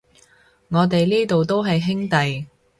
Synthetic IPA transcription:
ŋɔː˨˧t̪e˨jliː˥t̪o˨wt̪o˥wɦɐ˨jɦɪ˥ŋt̪ɐ˨j

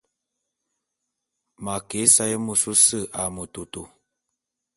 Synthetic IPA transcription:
ma˨ke˨˦sa˦jə˦mu˨su˦sə˦˨ʔa˨mə˨tu˨tu˨

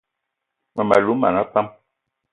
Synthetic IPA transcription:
ŋwɛ˨ma˨lu˨˦ma̰˨na˦pa˦m

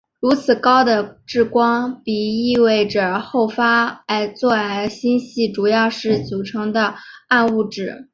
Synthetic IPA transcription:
ɻu˧˥t͡sʰɹ̩˨˩kɑ˥ʊd̪ə˨ʈ͡ʂɻ̩˥˩kwɑ˥ŋpi˨˩i˥˧we˥˩ɪʈ͡ʂə˨˩xo˥˩ʊfa˥a˧˥ɪt͡swɔ˥˩a˧˥˧ɪɕi˥nɕi˥˩ʈ͡ʂu˨˩jɑ˥˧ʊʂɻ̩˥˩t͡su˨˩ʈ͡ʂʰɤ˧˥ŋd̪ə˧a˥˧nu˥˧ʈ͡ʂɻ̩˨˩˦

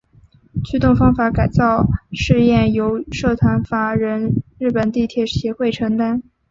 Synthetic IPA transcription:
t͡ɕʰy˥t̪ʊ˥˩ŋfɑ˥ŋfa˧˥ka˨˩ɪt͡sɑ˥˧ʊʂɻ̩˥˧jɛ˥˩njo˧˥ʊʂɤ˥˩t̪ʰwa˧˥nfa˧˥ɻə˧˥nɻɻ̩˥˩pə˨˩nt̪i˥˧t̪ʰjɛ˧˥˩ɕjɛ˧˥xwe˥˩ɪʈ͡ʂʰɤ˧˥ŋt̪a˥n

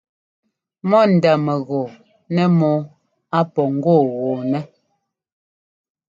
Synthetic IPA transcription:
mɔ˦n̩˨da˨mɛ˨ɣɔ˨ | nɛ˦mɔ˦ | a˦pɔ˨ŋ̩˦ɡo˦˨ɣɔ˨nɛ˦

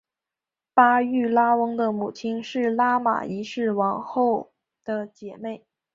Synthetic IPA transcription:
pa˥y˥˩la˥wɤ˥ŋd̪ə˨mu˨˩t͡ɕʰi˥nʂɻ̩˥˩la˥ma̰˨˩i˧˥ʂɻ̩˥˩wɑ˧˥ŋxo˥˩ʊ | d̪̥ə˨t͡ɕjɛ˨˩me˥˩ɪ

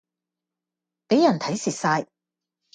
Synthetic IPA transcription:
pe˨˥jɐ˨˩nt̪ʰɐ˨˥jsiː˨t̚saː˧j

